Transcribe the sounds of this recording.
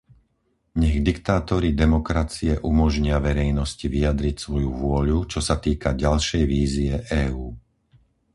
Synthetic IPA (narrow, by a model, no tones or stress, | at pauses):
ɲɛɣd̪ikt̪aːt̪ɔɾid̪ɛmɔkɾat͡siɛʔumɔʒɲɪaʋɛɾɛjnɔsciʋiad̪ɾicsʋɔjuvʊɔʎut͡ʃɔsat̪iːkaɟalʃɛjʋiːziɛʔɛːuː